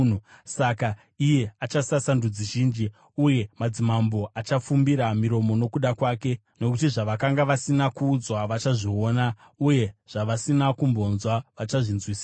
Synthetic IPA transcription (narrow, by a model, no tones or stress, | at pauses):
usaka | ije̞at͡ʃasasandud͡ziʒiːnd͡ʒi | uje̞mad͡zimambo̞ʔat͡ʃafumbiɾamiɾo̞mo̞no̞kuɗakwaːke̞ | no̞kutiʐaʋakaŋɡaʋasinakuːd͡zwaʋat͡ʃaʐio̞ːna | uje̞ʐ̥aʋasinakumbo̞nzwaʋat͡ʃaʐinzwiːs